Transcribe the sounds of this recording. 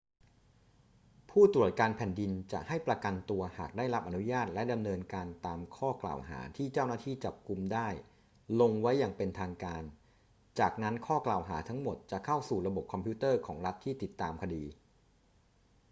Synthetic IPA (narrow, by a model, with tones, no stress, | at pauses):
pʰuː˥˩t̪ɾu˨˩ət̪̚kaː˧npʰɛ˨˩ndi˧nt͡ɕa̰˨˩ʔha˥˩jpɾa˧ka˧nt̪u˧ɐhaː˨˩k̚daː˥˩jɾa˦˥p̚ʔa˧nu˦˥jaː˥˩t̪̚lɛ˦˥da˧mnɤː˧nkaː˧nt̪aː˧mkʰɔː˥˩kla̰ː˨˩wɦa̰ː˩˦t̪ʰiː˥˩t͡ɕaː˥˩wnaː˥˩t̪ʰiː˥˩t͡ɕa˨˩p̚ku˧mdaː˥˩j | lo˧ŋwa˦˥jːaː˨˩ŋpe˧nt̪ʰaː˧ŋkaː˧n | t͡ɕaː˨˩k̚na˦˥nkʰɔː˥˩klaː˨˩wɦaː˩˦t̪ʰa˦˥ŋmo˨˩t̪̚t͡ɕa˨˩kʰa˥˩wsuː˨˩ɾa˧bo˨˩p̚kʰɔ˧mpʰi˦˥t̪ɤː˥˩kʰɔː˩˦ŋɾa˦˥t̪ʰːiː˥˩t̪i˨˩t̪ːaː˧mkʰa˧diː˧